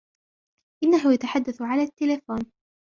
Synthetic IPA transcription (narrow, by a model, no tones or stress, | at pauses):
ʔɪnːaɦʊjat̪aħad̪ːaθʕalaːt̪ːɪlafoːn